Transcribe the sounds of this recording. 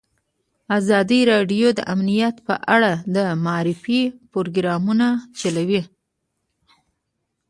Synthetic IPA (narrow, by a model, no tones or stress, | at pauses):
azɑd̪iɾɑɖjod̪ə̰ʔamnijat̪pə̰ʔaɽad̪əmaːɾɪfipoɾoɡɾɑmunat͡ʃalawi